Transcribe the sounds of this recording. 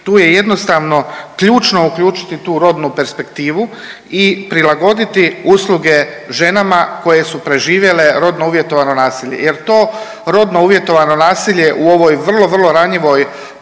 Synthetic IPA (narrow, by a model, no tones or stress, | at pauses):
t̪uːje̞jed̪no̞st̪aːʋno̞kʎuːt͡ʃno̞ukʎuːt͡ʃi̥t̪it̪uːɾo̞d̪nupe̞ɾspe̞kt̪iːʋu | ipɾilaɡo̞d̪it̪iusluɡe̞ | ʒe̞namako̞je̞supɾe̞ʒiːʋje̞le̞ɾo̞d̪nouʋje̞t̪o̞ʋano̞naːsiːʎe̞̰je̞ɾt̪o̞ː | ɾo̞d̪nouʋje̞t̪o̞ʋano̞naːsiʎe̞ʔuo̞ʋo̞jʋr̩lo̞ʋr̩lˠo̞ɾaɲiʋo̞j